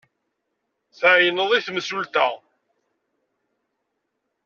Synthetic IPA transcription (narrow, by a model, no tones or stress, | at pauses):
θʕjnəðˤiθmsult̪æ